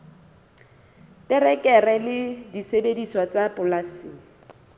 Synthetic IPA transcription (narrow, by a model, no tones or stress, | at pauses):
tʼɪrɛkʼɛrɛlɪdisebediswat͡sapʼʊlasiːŋ̩